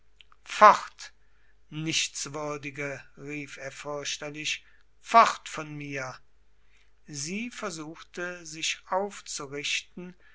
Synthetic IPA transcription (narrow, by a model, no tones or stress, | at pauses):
faʁt | nɪʃt͡sv̥ʏɐdɪɡəʁiːfeːɐfʏɐʃtɐlɪʃ | fɔʁtfɔnmiːɐ | ziːfɛɐzuːxtəzɪʃʔaʊft͡suʁɪʃtn̩